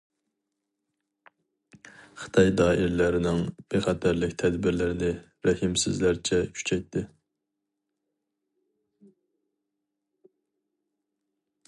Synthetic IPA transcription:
χə̥t̪ʰɑjd̪ɑːʔiɾlæɾɪnɪŋb̥eχɛt̪ʰæɾlɪkʲt̪ʰɛd̪bɪɾlɪɾɪnɪ | ɾɛhɪmsɪzlæɾt͡ʃʰɛkʲʰy̥t͡ʃʰɛjt̪ʰːɪ

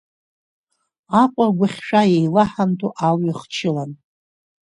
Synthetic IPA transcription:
akʷʼaɡʷaχʲʂʷᶣajejlaħantʼuʔalɥiχt͡ʃʰɪlan

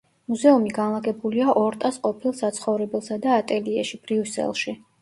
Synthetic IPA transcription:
muzɛumiɡanlˠaɡɛbuliaʔɔɾt̪ʼasqʼɔpʰilˠsat̪sʰχɔvɾɛbɛlˠsad̪aːt̪ʼɛliɛʃib̥ɾiusɛ̰lˠʃi

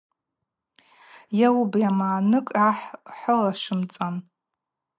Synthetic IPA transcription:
jawbjamaːnɨkʼaħħəlaʂɨmt͡sʼan

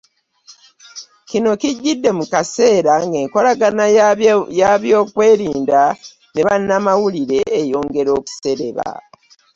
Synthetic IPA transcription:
cino̞kiɟːidːe̞mukase̞ːɾaŋɡe̞ːŋko̞laɡanajaβjo̞ːkwe̞ːɾiːnda | ne̞βanːamawuliɾe̞ːjo̞ːŋɡe̞ɾo̞ːku̥se̞ɾe̞βa̰

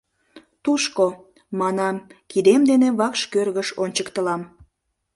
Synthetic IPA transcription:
t̪uʃko | mɑnɑmkid̪emd̪eneβɑkʃkørɣəʃonʲt͡ɕəkt̪əlɑm

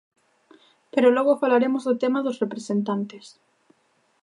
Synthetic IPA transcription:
peɾʊlɔɣʊfalaɾemʊzðʊt̪emaðʊsrepɾesent̪ant̪es

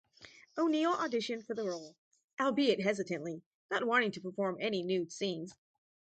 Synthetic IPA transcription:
oʊnilˠʔədɪʃɨ̃nfə˞ðəɹoʊlˠ | ʔaɪlˠbiɪt̚ɦɛzɨɾɨ̃nʔli | nət̚wɑ̃ɾ̃ɪ̃ŋtʰə̥pʰə˞fɔɹmɛninʉd̥sĩnz̥

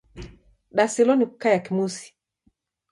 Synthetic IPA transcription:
ɗasɛlɔniku̥kajakimusi̥

